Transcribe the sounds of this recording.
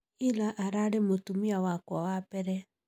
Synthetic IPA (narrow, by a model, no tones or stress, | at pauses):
ilaʔaɾaɾemotumiawakwawapɛɾɛ